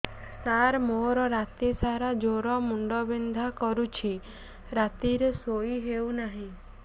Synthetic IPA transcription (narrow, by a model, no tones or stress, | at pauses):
saɾmoɾɔɾat̪isaɾad͡ʒoɾɔmuɳɖɔbind̪ʱakɔɾut͡ʃʰi | ɾat̪iɾesoiɦewnaɦĩ